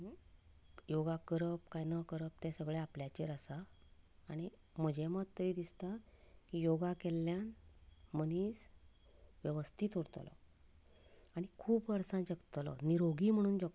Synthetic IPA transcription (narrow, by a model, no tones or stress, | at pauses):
joɡakəɾəp̚kajnəkəɾəp̚t̪ɛ̃səɡɭɛapljat͡ɕeɾəsaː | ɽ̃i | m̤əd͡ʑʱɛmət̪əɾiːd̪ist̪a | kijoɡakɛlːjanməniːs | ʋjəʋəst̪ʰit̪uɽt̪lɔ̰ | aɽ̃ikʰuːpəɾsãd͡ʑəɡt̪lɔ̰niɾoɡiːm̤əɽ̃ũːnd͡ʑəɡ